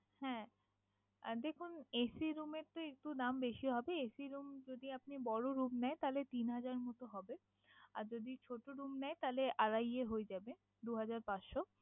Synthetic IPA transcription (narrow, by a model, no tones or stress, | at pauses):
hɛ̃ | d̪ekʰunesiɾumeɾt̪oek̚ʈud̪ambeʃioɦɔbeesiɾumd͡ʑod̪iap̚nibɔɽoɾumnɛet̪alet̪inɦad͡ʑaɾmot̪oɦɔbe | a̰ɾd͡ʑod̪it͡ɕʰoʈoɾumnɛet̪aleʔaɾajeɦoed͡ʑabe | d̪uɦad͡ʑaɾpatʃo